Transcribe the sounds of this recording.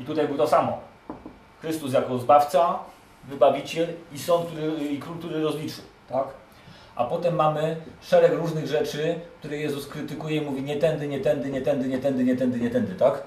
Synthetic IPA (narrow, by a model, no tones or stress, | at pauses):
it̪ut̪ajbɘwt̪ɔsamɔ | xɾɘst̪us̬jakɔzbaft̪sa | vɘbavʲit͡ɕɛlisɔnt̪̚k̚t̪uɾɘikɾulkt̪uɾɘɾɔzlʲit͡ʂɘw | t̪ak | ʔa̰pɔt̪ɛmːamɘʂɛɾɛkɾuʐnɘɣʐɛt͡ʂɘk̚t̪uɾɛjɛzuskɾɘt̪ɘkujɛimuvʲiɲɛt̪ɛnd̪ɘɲɛt̪ɛnd̪ɘɲɛt̪ɛnd̪ɘɲɛt̪ɛnd̪ɘɲɛt̪ɛnd̪ɘɲɛt̪ɛnd̪ɘt̪ak